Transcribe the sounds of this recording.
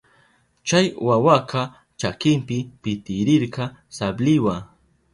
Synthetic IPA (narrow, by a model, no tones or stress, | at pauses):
t͡ʃajwawaqɑ | t͡ʃakɪmpɪpɪt̪ɪɾɪɾqɑsablɪwa